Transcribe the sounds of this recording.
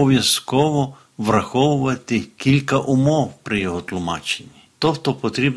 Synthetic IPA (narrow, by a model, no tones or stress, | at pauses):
ɔʋʲjɐskɔʋɔ | ʋrɐxɔwʊʋɐt̪ɪkʲilʲkɐʔʊmɔwpɾɪjɔɦɔt̪lˠʊmɑ̰t͡ʃenʲːit̪ɔxt̪ɔpɔt̪ɾʲib